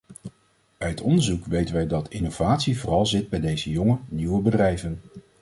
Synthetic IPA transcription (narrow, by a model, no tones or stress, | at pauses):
œɥtɔndəɹzukʋejtənʋɛjdɑtɪnowv̥aːtsivʊːrɑlˠzɪd̚bɛjdejzəjɔŋəniwəbədrɛjvən